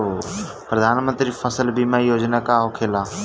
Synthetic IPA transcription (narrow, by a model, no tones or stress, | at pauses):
pɾəd̪ʱaːnmə̃nt̪ɾifʰəsəlbʱimajoːd͡ʒnakaɦokʰeːla